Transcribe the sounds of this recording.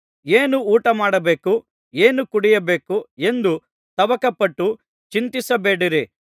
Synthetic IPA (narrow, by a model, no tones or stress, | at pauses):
eːnuːʈɐmaːɽɐbe̞ːku | eːnukuɽijɐbe̞ːkue̞nd̪u | t̪ɐʋɐkɐpɐʈːu | t͡ʃint̪isɐbeːɽiɾi